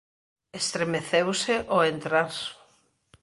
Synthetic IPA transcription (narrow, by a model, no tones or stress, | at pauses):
est̪ɾemeθewseʔoent̪ɾas